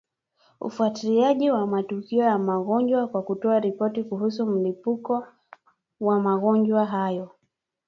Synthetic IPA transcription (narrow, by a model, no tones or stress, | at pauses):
ṵfuatiliaʄiwamatukiɔjamaɣɔɲd͡ʒwakwakutɔaɾipɔtikuɦusum̩lipukɔ | wamaɣɔɲd͡ʒwaɦajɔ